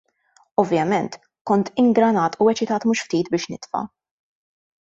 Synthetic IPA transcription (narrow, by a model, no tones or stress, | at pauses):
ɔvjɐmɛnt̪ | kɔnt̪ɪŋɡɾɐnɐːt̪ʊɛt͡ʃɪt̪ɐːt̪muːʃft̪iːt̪bɪːʃnɪt̪fɐ̰